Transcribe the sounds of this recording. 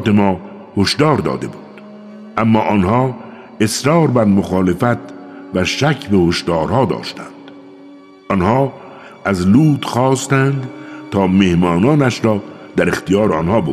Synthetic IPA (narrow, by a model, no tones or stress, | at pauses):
t̪e̞mɒː | hoʃd̪ɒːɾd̪ɒ̰ːd̪e̞̰buːd̪̥ | ʔæmːɒːʔɒnhɒː | esɾɒːɾbæɾmoxɒːlefæt̪væʃækʰbehoʃd̪ɒːɾhɒːd̪ɒ̰ːʃt̪ʰænd̪̥ | ɒnhɒː | æzluːt̪xɒːst̪ænd̪t̪ʰɒːme̞hmɒːnɒːnæʃɾɒːd̪̥æɾext̪ijɒːɾeɒnhɒːbo